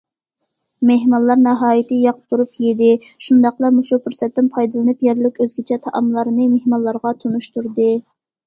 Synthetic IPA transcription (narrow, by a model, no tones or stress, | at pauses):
meɦmɑlˠːɑɾnɑɦɑːjit̪ɨjɑqt̪ʰːuɾupjed̪ɪʃund̪ɑqlˠɑmuʃupʰuɾsɛt̪ːɪnpʰɑjd̪lˠɨnɨpjɛɾlɪkʲøzɡʲit͡ʃʰɛt̪ʰɑʔɑmlˠɑɾɨnɨmehmɑlˠːɑɾʁɑt̪ʰunuʃt̪uɾd̪ɨ